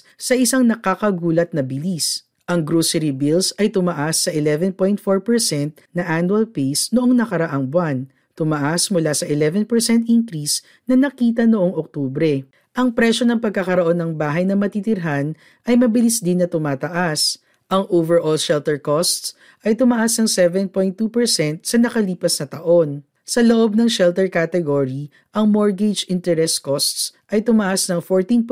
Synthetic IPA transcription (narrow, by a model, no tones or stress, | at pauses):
sɐʔɪsaŋnɐkakɐɡuːlɐt̪̚nɐbɪlis | ʔɐŋɡɾoːsɛɾibilsɐjt̪ʊmɐʔasːɐʔɪlɛvɛnpo̞jnt̪̚foɹpɛɹsɛnt̪̚ | nɐʔanwɐlpejsnoʔoŋnɐkɐɾɐʔaŋbwan | t̪ʊmɐʔasmʊlasɐʔɪlɛvɛnpɛɹsɛnt̪̚ʔiŋkɾis | nɐnɐkiːt̪ɐnoʔo̞ŋʔok̚t̪uːbɾɛ | ʔɐŋpɾɛʃo̞nɐŋpɐɡ̚kɐkɐɾoʔo̞nːɐŋbaːɦɐjnɐmɐt̪it̪ɪɾɦan | ʔɐjmɐbɪlisd̪ɪnːɐt̪ʊmaːt̪ɐʔas | ʔɐŋʔovɛɹʔolʃɛlt̪ɛɹkost̪s | ʔɐjt̪ʊmɐʔasnɐŋsɛvɛnpo̞jnt̪ːupɛɹsɛnt̪̚sɐnɐkɐliːpɐsnɐt̪ɐʔo̞n | sɐloʔo̞b̚nɐŋʃɛlt̪ɛɹkat̪ɛɡoɹi | ʔɐŋmoɹɡɛd͡ʒɪnt̪ɛɾɛskost̪sʔɐjt̪ʊmɐʔasnɐŋfoɹt̪in